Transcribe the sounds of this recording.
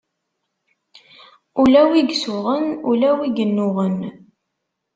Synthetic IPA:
ulæwiɡsʊʁənulæwiɡənːʊʁən

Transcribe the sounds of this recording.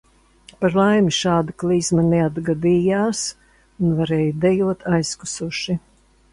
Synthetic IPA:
paɾlˠajmiʃaːd̪aklˠiːzmɐnɛad̪ɡad̪iːjaːs | unvaɾɛːjud̪ɛjuɔt̪ʰajskusuʃi

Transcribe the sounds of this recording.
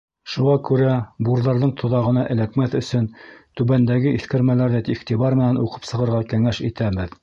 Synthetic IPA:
ʃuʁɑkʉɾæbuɾðɑɾðɤɴt̪ʰŏðɑʁɤ̆nɑʔɘ̆lækmæθɵ̆sɵnt̪ʉβænd̪æɡɘʔiθkɘ̆ɾmælæɾðæt̪iχt̪iβɑɾmɘ̆nænuqɤ̥psɤ̆ʁɤ̆ɾʁɑkæŋæʃit̪æβɘð

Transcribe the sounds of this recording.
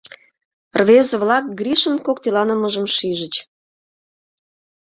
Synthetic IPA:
rβezĕβlɑk̚ɡɾiʃənkokt̪elɑnəməʒəmʃiʒə̆t͡ɕ

